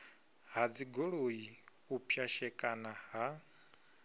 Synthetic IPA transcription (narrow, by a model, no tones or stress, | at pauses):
ɦad͡ziɡoɺoi | upʰjaʃɛkʼanaɦa